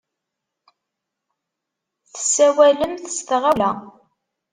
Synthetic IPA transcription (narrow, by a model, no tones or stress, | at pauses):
θθə̥sːæwæləmθəst̪ʁælæ